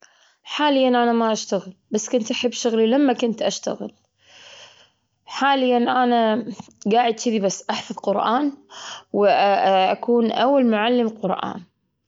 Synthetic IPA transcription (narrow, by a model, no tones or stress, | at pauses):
ħaːlɪjːanʔanamaʔaʃt̪aɣɪlbasːkʊnt̪ʔaħɪbːʃʊɣlilamːakʊnt̪ʔaʃt̪a̰ɣɪ̰l | ħaːlɪjːanʔanaɡaːʕɪd̪t͡ʃiðibasːʔaħfɑðˤqʊɾʔaːnwʔʔakuːnʔawːalmʊʕalːɪmqʊɾʔa̰ːn